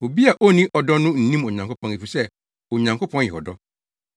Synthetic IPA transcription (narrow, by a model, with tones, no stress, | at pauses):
o˨bi˦a˨ʔo˦nĩ˦ʔɔ˨dɔ˦nʊ̃˦n̩˨nĩ˦mɔ˨ɲã˨ŋkʰo˦pʰɔ̃˦ni˨fi˨sɛ˦ | o˨ɲã˨ŋko˦pʰɔ̃˦njɛ˨ɔ˨dɔ˦